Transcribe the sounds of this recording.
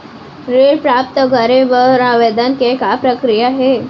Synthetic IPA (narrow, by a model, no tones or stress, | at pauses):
ɾeɽpɾap̚t̪əɡəɾibəɾaʋed̪ənkekapɾəkɾijaɦe